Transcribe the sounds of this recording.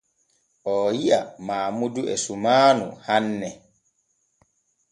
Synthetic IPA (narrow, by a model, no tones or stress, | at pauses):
ʔɔjiʔamaːmuduʔɛ̰sumaːnṵhanːɛ